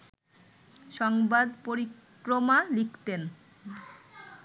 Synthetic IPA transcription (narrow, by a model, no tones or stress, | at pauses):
ʃɔŋbad̪poɾik | ɾomalikʰt̪en